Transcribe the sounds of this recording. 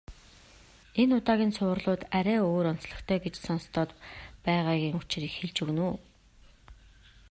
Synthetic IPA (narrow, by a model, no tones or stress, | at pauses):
enʊt̪aːɣʲiːnsʊ̆ːrɮʊːt̪æɾæːoːɾɔn̥t͡sɮɞ̆χt̪ʰœːɡet͡ɕsɔnst̪ʰɔːt̪pæːʁaːɣʲiːŋʊt͡ɕriːkxeɮt͡ɕɵ̆ɣnuː